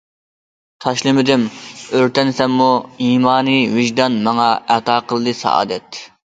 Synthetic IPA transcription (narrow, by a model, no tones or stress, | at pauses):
t̪ʰɑʃlˠɨmɪd̪ɪmøɾt̪ɛnsɛmːuiːmɑːnɨwɪʒd̪ɑnmɑŋɑæt̪ɑːqʰəlˠɨd̪ɨsɑ̰ʔɑ̰ːd̪ɛt̪